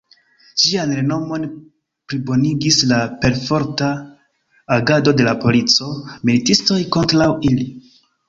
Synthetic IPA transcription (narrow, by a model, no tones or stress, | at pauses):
ʒianɾe̞no̞mo̞n | pɾibo̞niɡislape̞ɾfo̞ɾtaː | ɡado̞de̞lapo̞lit͡so̞militisto̞jko̞ntɾawili